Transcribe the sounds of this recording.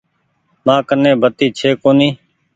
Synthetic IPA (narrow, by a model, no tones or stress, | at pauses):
mãːkənːẽːbət̪iːt͡ʃʰeːkoːnĩː